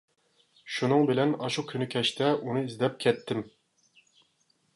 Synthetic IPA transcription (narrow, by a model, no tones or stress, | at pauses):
ʃunɨŋbɪlɛnɑʃukʲʰynykʲʰɛʃt̪ʰɛʔunɨizd̪ɛp̚kʲʰɛt̪ʰːɪm